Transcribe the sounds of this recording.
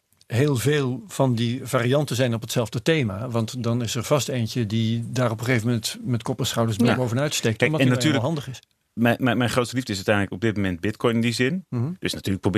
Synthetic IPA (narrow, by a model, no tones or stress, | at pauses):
ɦeːlˠveːlˠv̥ɑndivaːriɑntənzɛjnɔpətsɛlˠvdətejmaːʋɑntdɑnɪsəɹvɑstejntədidaːrɔpəχejvəmɛntmɛtkɔpəsχɑwdəɹsbɪbowvənœɥtstektnnatyːləɦɑndəχɪs | mɛmɛjmɛjnχrowtstəlivdəɪs̬œtɛjnləkɔb̚dɪt̚momɛnd̚bɪtkɔjnɪndizɪn̩d̥øsnatyːləkprob